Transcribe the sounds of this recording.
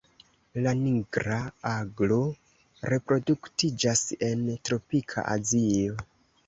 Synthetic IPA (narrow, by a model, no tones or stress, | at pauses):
laniɡɾaaɡlo̞ | ɾe̞pɾo̞duktid͡ʒase̞ntɾo̞pikʰa̰ʔa̰zio̞